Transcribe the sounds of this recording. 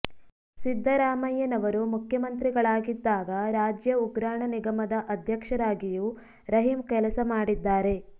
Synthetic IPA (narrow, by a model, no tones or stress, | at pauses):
sid̪ʱːɐɾaːmɐjːɐnɐʋɐɾumukʰjɐmɐnt̪ɾiɡɐɭaːɡid̪ːaːɡɐɾaːd͡ʒjɐuɡɾaːɳɐniɡɐmɐd̪ɐʔɐd̪ʱjɐkʂɐɾaːɡiju | ɾɐɦimkɛlɐsɐmaːɽid̪ːaːɾe̞